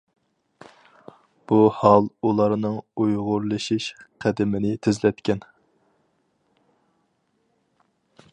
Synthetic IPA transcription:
b̥uhɑlˠulˠɑɾnɨŋujʁʊɾlˠɨʃiʃqʰæd̪ɪmɪnɪt̪ʰɪzlɛt̪kʲɛn

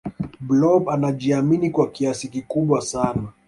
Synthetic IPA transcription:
blɔbanaʄiaminikwakiasikikuɓwasana

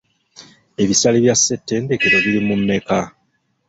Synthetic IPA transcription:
e̞βisaliβjasːe̞tːe̞ːnde̞keɾo̞βiɾimunːe̞ka

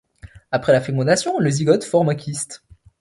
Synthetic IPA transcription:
apχɛlafɛmɑ̃d̪asjɔ̃ləziɡɔt̪fɔʁmɛ̃kʲʰist̪

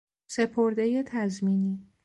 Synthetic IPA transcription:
se̞pʰo̞ɾd̪eje̞t̪ʰæzmiːni

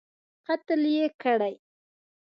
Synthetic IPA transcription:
qɑt̪ɪljekaɽaj

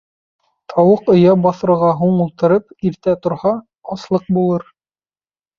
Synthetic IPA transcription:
t̪ʰɑwɤqŏjɑbɑθɤ̆ʁɑɦuɴulˠt̪ɤ̆ɾɤpiɾt̪æt̪ŏɾhɑː | slˠɤq̚bulˠɤɾ

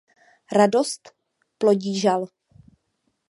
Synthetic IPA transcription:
ɾadost̪ | ploɟiːʒal

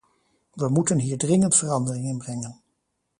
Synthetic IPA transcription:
ʋəmutənɦiːɹdrɪŋəntfərɑndərɪŋɪnbrɛŋən

